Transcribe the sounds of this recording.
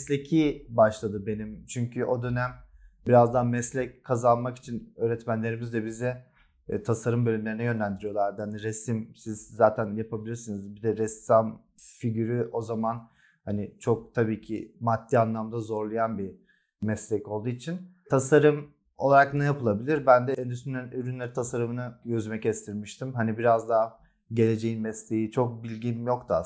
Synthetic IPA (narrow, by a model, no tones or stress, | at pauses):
slʲe̞cʰibaʃlˠad̪ɯbe̞nimt͡ʃʰyɲcʰyʔo̞d̪ø̞næmbiɾazd̪anmɛslʲɛc̚kʰːazanmaki̥t͡ʃʰinøːɾɛt̪mænlʲe̞ɾimizd̪ɛbizɛ | t̪ʰasaɾɯmbølʲymlʲe̞ɾinɛjø̞nlʲænd̪iɾijo̞lˠaɾd̪ɯhaniɾesimsizzaːt̪ʰænjapʰabilʲiɾsunɯzbid̪ɛɾɛsam | fiɟyɾyʔo̞zaman | hanit͡ʃʰo̞k̚t̪ʰabiːcʰḭmat̪ʰːianlˠamd̪azo̞ɾlˠajanbi | mɛslʲɛco̞lˠd̪uːit͡ʃʰin | t̪ʰasaɾɯm | o̞lˠaɾaknɛjapʰɯlˠabilʲiɾbænd̪ɛʔɛnd̪ysymnʲænyɾynlʲeɾit̪ʰasaɾɯmɯnɯjøzmɛcɛst̪ʰiɾmiʃt̪ʰimɦanibiɾazd̪aɦ | ɟe̞lʲe̞d͡ʒe̞jinmɛslʲe̞jit͡ʃʰo̞k̚bilʲɟimjo̞kt̪ʰaa